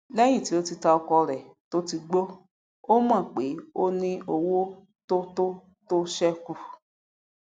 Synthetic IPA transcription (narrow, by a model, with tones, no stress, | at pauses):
lɛ˦j̃ĩ˦˨ti˨˦o˦ti˧ta˧ɔ˧kɔ˧ɾɛ˨to˦ti˧ɡ͡bo˦ | o˦mã˦˨k͡pe˨˦o˦nĩ˦ʔo˧wo˦ | to˦to˦ | to˦ʃɛ˦ku˨